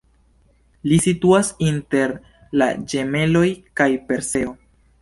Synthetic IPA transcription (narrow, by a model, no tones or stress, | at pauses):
lisituasinte̞ɾ | la̰d͡ʒe̞me̞lo̞jkajpe̞ɾse̞o